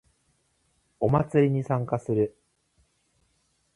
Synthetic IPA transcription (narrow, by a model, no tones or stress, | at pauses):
o̞mat͡sɨɾʲiɲ̟isãŋkasɨɾɯ̟